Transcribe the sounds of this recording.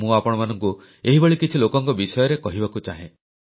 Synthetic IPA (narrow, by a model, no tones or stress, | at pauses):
mũapɔɽ̃ɔmanɔŋku | eɦibeɭikit͡ʃʰilokɔŋkɔbisɔjɔɾekɔɦibakut͡ʃaɦḛ̃